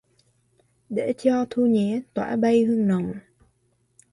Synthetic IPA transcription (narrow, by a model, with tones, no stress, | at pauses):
ɗe˧˨˥t͡ɕɔ˧t̪ʰu˧ɲɛ˨˦ət̪wa̰ː˧˥ɓə˧jhɨ˧əŋnə˨wŋ͡m